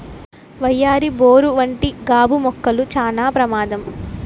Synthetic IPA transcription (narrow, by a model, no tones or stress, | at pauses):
ʋɐjːaːɾiboːɾuʋɐɳʈiɡaːbumɔkːɐlut͡ʃaːnaːpɾɐmaːd̪ɐm